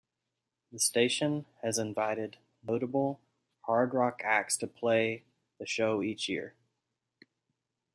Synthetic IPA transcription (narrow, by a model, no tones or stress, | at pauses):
ðɨsteɪʃɨ̃nɨzɨ̃ɱvaɪɾɨdⁿ | noʊɾəbl̩ˠ | hɑɹdɹɑkʰæk̚stʰɨpʰl̥eɪ | ðɨʃoʊit͡ʃjɪ̰ɹ